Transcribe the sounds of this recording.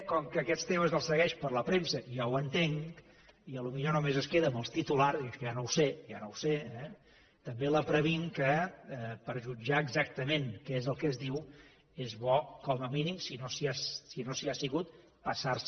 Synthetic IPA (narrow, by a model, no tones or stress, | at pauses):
kɔŋkəːkɛt̪st̪eməzəlˠsəɣɛʃpəɾləpɾemsəʒawənt̪eŋk | iəlumiʎonomezəskeðəməlˠst̪it̪ularziʒanowseʒa̰nowseɛ | t̪əmbeləpɾəβiŋkəɛpəɾʒud͡ʒaəɡzak̚t̪əmeŋkɛezəlˠkɛzðiw | ezβɔkɔməminimsinosiassinosiasiɣut̪̚ | pəsars